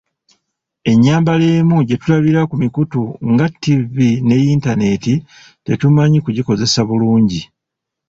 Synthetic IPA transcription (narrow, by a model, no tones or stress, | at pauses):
e̞ɲːaːmbale̞ːmuɟe̞tulaβiɾakumikutuŋɡatːivine̞jintane̞ti | te̞tumaɲikuɟiko̞ze̞saβuluːɲɟi